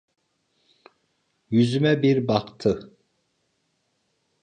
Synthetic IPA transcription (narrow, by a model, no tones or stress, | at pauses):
jyzymɛbiɾbɑqt̪ʰɯ